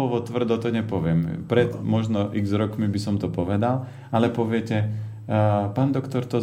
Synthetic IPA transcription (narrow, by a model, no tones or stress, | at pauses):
ɔʋɔt̪ʋr̩d̪ɔt̪ɔɲɛpɔʋɪɛmpɾɛd̪mɔʒnɔʔiɡzɾɔkmibisɔmt̪ɔpɔʋɛd̪al | alɛpɔʋɪɛcɛ | paːnd̪ɔkt̪ɔɾt̪ɔ